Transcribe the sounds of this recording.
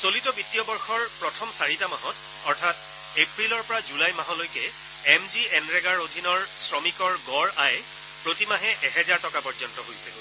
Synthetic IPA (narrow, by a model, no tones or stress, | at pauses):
solitɔbitːijɔbɔɹxɔɹpɹɔtʰɔmsaɹitamaɦɔt | ɔɹtʰat | epɹilɔɹpɔɹazulajmaɦɔlojkɛ | ɛmziɛnɹɛɡaɹodʱinɔɹsɹɔmikɔɹɡɔɹaj | pɹotimaɦɛʔɛɦɛzaɹtɔkapɔɹzɔntɔɦojsɛ